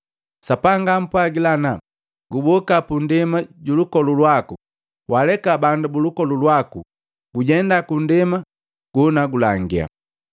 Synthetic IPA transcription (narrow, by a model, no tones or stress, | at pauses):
sapaŋɡam̩pwaɡilana | ɡubɔkapundɛmaɟulukɔlulwaku | walɛkabandubulukɔlulwaku | ɡ̥uɟɛndakundɛma | ɡ̥unaɡulaŋɡia̰